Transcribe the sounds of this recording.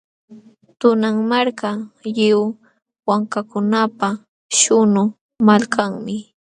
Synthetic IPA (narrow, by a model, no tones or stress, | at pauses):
t̪ʊnaŋmaɾkajɪw | waŋkakʊnapa | ʃʊnʊ | malkaŋmɪ